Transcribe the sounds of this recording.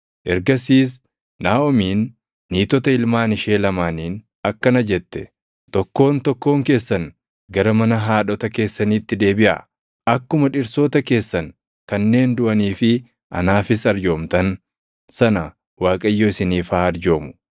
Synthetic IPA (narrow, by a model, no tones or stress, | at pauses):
ʔɛɾɡɐsiːs̬ | naːɔmiːnː | iːt̪ɔt̪ɐɪlmaːnɪʃeːlɐmaːniːn | ɐkːɐnɐd͡ʒɛt̪ːɛ̥ | t̪ɔkːo̞ːnt̪ɔkːo̞ːŋke̞ːsːɐn | ɡɐɾɐmɐnɐɦaːᶑɔt̪ɐke̞ːsːɐniːt̪ːɪd̪e̞ːbɪʔɐ̰ | ɐkːʊmɐᶑɪɾso̞ːt̪ɐke̞ːsːɐn | kɐnːe̞ːnd̪ʊʔɐniːfɪ | ʔɐ̰naːfɪsɐɾd͡ʒo̞ːmt̪ɐn | sɐnɐ | waːkʼɐjːoːɪsɪniːfaːɐɾd͡ʒo̞ːmʊ̥